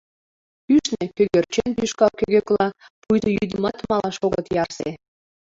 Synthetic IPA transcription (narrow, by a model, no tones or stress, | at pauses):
yʃnekøɣørt͡ɕenpyʃkɑlkøɣøklɑ | pujt̪əjy̰d̪əmɑt̪mɑlɑʃoɣət̪jɑrsḛ